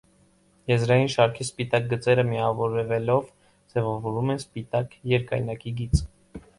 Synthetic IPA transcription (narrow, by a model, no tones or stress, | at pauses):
jɛzɾɑjinʃɑɾkʰispit̪ɑk̚ɡət͡sɛɾəmiɑvɔɾɛvɛlɔv | d͡zɛvɑvɔɾumɛnspit̪ɑkjɛɾkɑ̰jnɑkiɡit͡s